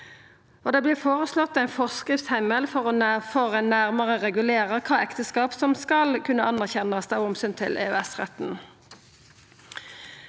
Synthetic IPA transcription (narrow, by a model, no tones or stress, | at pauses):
ʔoːd̪eːblɪːʁfoːʁəslɔt̪ːæɪnfɔʁskʁɪft̪shæɪməlfɔʁɔfɔʁɛnːæʁməʁəʁɛɡʉleːʁəkʰɑːɛkt̪əskɑːpsɔmskɑlkʰʉnːəʔɑnəʁçɛnɑsd̪ɑːɔmsyːnt̪ʰɪ̰lʔḛːø̰ːɛsʁɛ̰t̪n̩